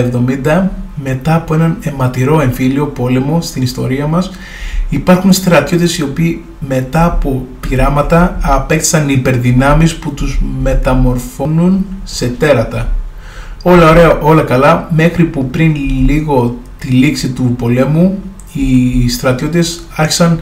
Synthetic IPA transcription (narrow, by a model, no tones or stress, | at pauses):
evðo̞mind̪ɐme̞t̪ɐːpo̞e̞nɐne̞mɐt̪iɾo̞e̞ɱfilio̞po̞le̞mo̞st̪inist̪o̞ɾiɐmɐs | ipɐɾxunst̪ɾɐt̪ço̞t̪t̪e̞sio̞piː | me̞t̪ɐːpo̞piɾɐmɐt̪ɐɐpe̞k̚t̪i̥sɐnipe̞ɾðinɐmisput̪uzme̞t̪ɐmo̞ɾfo̞nunse̞t̪e̞ɾɐt̪ɐ | o̞lɐoɾe̞ɐʔo̞lɐkɐlɐme̞xɾipupɾinliɣo̞ | t̪iliksit̪upo̞le̞mu | ist̪ɾɐt̪jo̞t̪it̪e̞s | ɐɾçi̥sɐn